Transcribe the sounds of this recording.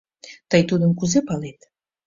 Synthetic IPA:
t̪ɑjt̪ud̪əŋkʉzepɑlˠejt̪

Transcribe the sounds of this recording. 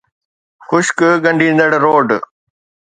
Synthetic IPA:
xʊʃkɠɐ̃ɳɖʱĩːn̆d̪əɽɾoːɖ

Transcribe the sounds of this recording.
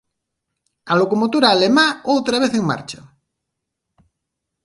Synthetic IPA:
alokomot̪uɾaːlemaowt̪ɾaβ̞eθeŋma̰ɾt͡ʃa

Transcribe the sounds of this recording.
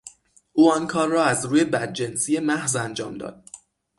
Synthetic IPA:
ʔuːɒnkʰɒːrːɒːæzɾuːje̞bæd̪̚d͡ʒe̞nsije̞mæhzænd͡ʒɒ̰ːmd̪ɒ̰ːd̪̥̚

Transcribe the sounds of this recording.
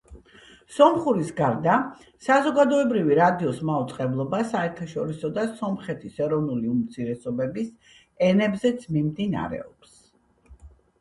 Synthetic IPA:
sɔmχuɾisɡaɾd̪a | sazɔɡad̪ɔɛbɾiviɾad̪iɔsmaut̪sʼqʼɛblˠɔbasaɛɾt̪ʰaʃɔɾisɔd̪asɔmχɛt̪ʰisɛɾɔvnuliumt̪sʰiɾɛsɔbɛbis | ɛnɛbzɛt̪sʰmimd̪ina̰ɾɛ̰ɔps

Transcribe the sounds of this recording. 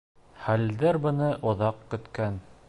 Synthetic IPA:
χæld̪æɾbɤ̆nɤʔŏðɑqkɵ̆t̪kæn

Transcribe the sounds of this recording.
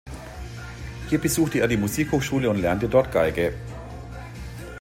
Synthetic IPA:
hiːɐbəzuːxtəeːɐdiːmuziːkhoːxʃuːləʊntlɛɐntədɔɐtɡ̥aɪɡə

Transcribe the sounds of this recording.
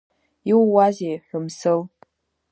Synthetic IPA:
iwːazejħʲᶣʊmsɨlʼ

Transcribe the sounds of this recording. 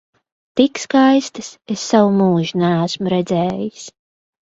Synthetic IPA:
t̪ikskajst̪ɨsesːawmuːʒinææsmuɾɛd̪zɛːjis

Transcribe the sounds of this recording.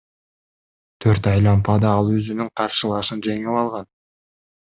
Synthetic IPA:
t̪ʰøɾt̪ɑjlˠɑmpɑd̪ɑɑlˠøzynyŋqʰɑɾʃɯlˠɑʃɯnd͡ʒe̞ŋilˠɑlˠʁɑn

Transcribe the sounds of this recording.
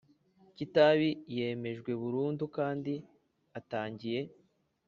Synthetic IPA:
citaβije̞me̞ʒɡwe̞βuɾuːndukaːndi | ataːɲɟije̞

